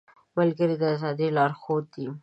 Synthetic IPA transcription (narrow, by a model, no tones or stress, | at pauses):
malɡəɾid̪əazɑd̪ilɑɾxod̪i